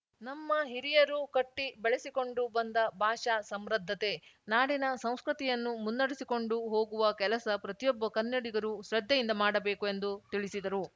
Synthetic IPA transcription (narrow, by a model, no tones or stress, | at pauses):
nɐmːɐɦiɾijɐɾukɐʈːibɛɭesiko̞ɳɖubɐnd̪ɐbʱaːʂɐsɐmɾɐd̪ʱːɐt̪e̞naːɽinɐsɐ̃w̃skɾut̪ijɐnːumunːɐɽisiko̞ɳɖuɦo̞ːɡuʋɐkɛlɐsɐpɾɐt̪ijɔbːɐkɐnjɐɽiɡɐɾuʃɾɐd̪ːɐjind̪ɐmaːɽɐbe̞ːkue̞nd̪ut̪iɭisid̪ɐɾu